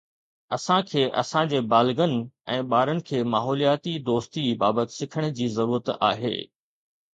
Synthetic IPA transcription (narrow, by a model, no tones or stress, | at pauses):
ɐsãkʰeːʔɐ̰sãd͡ʑeːbaːlɡənɪ̆ɛ̃ːɓaːɾənɪ̆kʰeːmaːɦɔːlijaːt̪id̪oːst̪ibaːbət̪ɪ̥sɪkʰəɽ̃ʊ̆d͡ʑiːzɐɾuːɾət̪a̰ːɦḛː